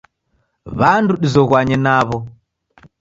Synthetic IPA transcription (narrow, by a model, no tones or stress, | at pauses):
βanduɗizɔɣwaɲɛnaβɔ